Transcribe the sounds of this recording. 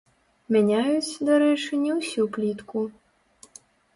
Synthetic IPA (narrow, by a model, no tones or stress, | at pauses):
menʲajʊt͡sʲd̪ɔɾɛʃenʲːɐwsʲuplʲit̪kʊ